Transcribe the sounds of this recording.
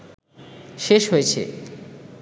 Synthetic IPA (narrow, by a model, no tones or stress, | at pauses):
ʃeʃɦoet͡ɕʰḛ